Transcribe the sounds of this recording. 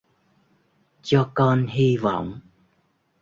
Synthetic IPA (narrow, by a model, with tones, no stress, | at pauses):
t͡ɕɔ˧kɔ˧nɦi˧vɔ̰˧˨wŋ͡m